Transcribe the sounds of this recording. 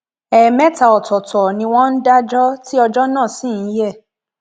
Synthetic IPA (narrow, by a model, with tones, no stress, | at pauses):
ɛ˨mɛ̃˦ta˨ɔ˨tɔ˨tʰɔ˨nĩ˧w̃ɔ̃˦n̩˦da˦d͡ʒɔ˦ti˦ɔ˧d͡ʒɔ˦nã˦˨sĩ˦˨˦jɛ˦˨